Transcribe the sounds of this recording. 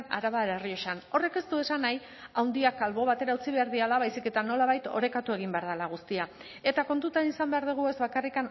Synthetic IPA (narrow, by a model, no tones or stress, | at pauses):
na̰ɾaβalerioʃano̞re̞ke̞st̪ue̞sanaj | awnd̪iakalβo̞β̞at̪e̞ɾaut͡siβe̞aɾðialaβajsike̞t̪ano̞laβ̞ajt̪o̞̰ɾe̞kat̪ue̞ɣ̞imbe̞aɾðalaɣ̞ust̪ia | e̞t̪ako̞nt̪ut̪anisambe̞aɾðeɣ̞ue̞zβakarikan